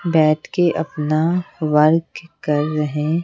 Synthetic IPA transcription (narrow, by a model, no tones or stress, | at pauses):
bɛːʈ̪keʔɐpnaʋɐɾɡkɐɾːɐɦẽ